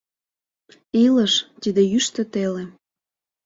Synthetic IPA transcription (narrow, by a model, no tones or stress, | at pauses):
iləʃt̪id̪ejyʃt̪ə̆t̪ele